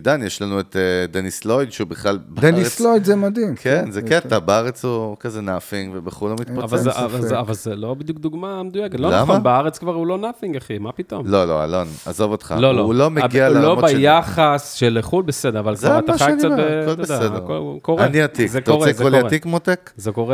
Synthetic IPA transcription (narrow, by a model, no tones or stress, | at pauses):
d̪anjɛʃlanuet̪ed̪enislojd̪ʃeubiχlalbdenislojd̪zemad̪imkʰenzeket̪abaaʁet͡shukazenafiŋɡvebeχulːomit̪paavalavazavalzelo̞bid̪juk̚d̪uɡmamed̪ujaket̪lolnamonbeaʁet͡skvaʁulo̞nafiŋɡaχimapit̪o̰mlolo̰a̰lona̰zovot̪χa̰loloulomeɡialllombajaχasʃeleχulbesed̪eʁavalvaamt̪aχkankiaekolbed̪sed̪ekolkoʁaniat̪izek̪oʁeɛzoliatikmot̪ekzekoʁe